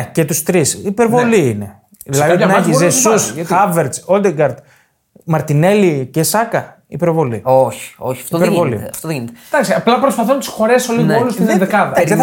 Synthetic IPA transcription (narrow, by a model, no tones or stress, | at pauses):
cet̪ust̪ɾisipeɾvo̞liine̞ | ðilɐðineçizesusxɐveɾt͡sold̪eɡɐɾd̪ | mɐɾt̪ine̞licesɐkɐ | ipeɾvo̞lḭoçi̥oçiɐftioðpeɾvo̞lḭɐft̪oðeʝinet̪ed̪ɐksiɐplɐpɾospɐθunt̪i̥sxo̞ɾesolinoolust̪ed̪ekɐðɐ